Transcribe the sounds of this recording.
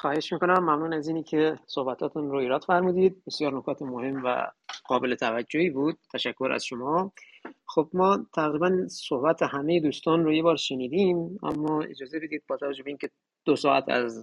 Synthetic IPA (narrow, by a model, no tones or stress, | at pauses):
xɒːhe̞ʃmiːkonæmːæmnuːnæziːnikʰesohbæt̪ʰɒːt̪ʰunɾoiːɾɒːd̪fæɾmuːd̪iːd̪̚besjɒːɾnokʰɒːt̪ʰemohe̞mvæ̰ɡ̥ɒːbe̞let̪ʰævæd͡ʒːohiːbuːd̪̚t̪ʰːæʃækʰːoɾʔæ̰z̥ʃomɒː | xobmɒːt̪ʰæɣɾiːbænsohbæt̪ʰehæmejed̪uːst̪ɒːnɾojebɒːɾʃeniːd̪iːmæ̰mːɒːḛd͡ʒɒːze̞be̞d̪iːd̪̚bɒːt̪ʰævæd͡ʒːobeiːnkʲʰe̞ | d̪̥osɒːʔæ̰t̪ʰæ̰z